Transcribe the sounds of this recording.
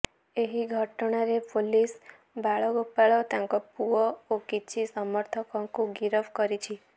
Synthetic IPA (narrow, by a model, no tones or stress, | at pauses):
eɦiɡʱɔʈɔɽ̃aɾepʰolis | baɭɔɡopːaɭɔt̪ãŋkɔpuɔokit͡ʃʰisɔmɔɾt̪ʰɔkɔ̃ŋkuɡiɾɔbkɔɾit͡ʃʰi